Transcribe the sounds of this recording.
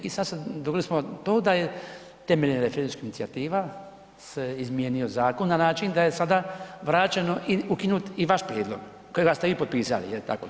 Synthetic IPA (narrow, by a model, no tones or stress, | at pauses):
isad̪sed̪oɡlismot̪oːd̪aje̞ | t̪emeʎnɾefeɾend̪skiinit̪siat̪iːʋa | seizmjeːnio̞zaːko̞nːanaːt͡ʃind̪aje̞sad̪aʋɾaːt͡ʃeno̞ʔiukinuːt̪iʋaʃpɾjeːd̪lˠo̞̰ɡ | kojeɡast̪eipot̪piːsa̰lḭjelt̪a̰ko